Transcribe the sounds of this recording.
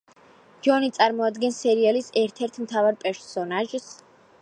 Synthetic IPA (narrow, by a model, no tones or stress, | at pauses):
d͡ʒɔnit̪sʼaɾmɔad̪ɡɛnsɛɾialisɛɾt̪ʰɛɾt̪ʰmt̪ʰavaɾpʼɛɾsɔnaʒs